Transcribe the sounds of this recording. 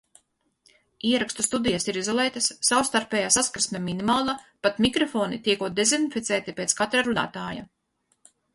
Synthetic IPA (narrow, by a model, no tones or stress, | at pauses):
iɛɾakst̪ust̪ud̪ijasiɾizɔlˠɛjt̪asːawst̪aɾpʲɛːjasaskɾsmʲɛminimaːlˠapat̪mikɾɔfoːnit̪iɛkuɔd̪ezinifʲit̪sɛːt̪ipet̪skat̪ɾaɾuna̰ːt̪aːja̰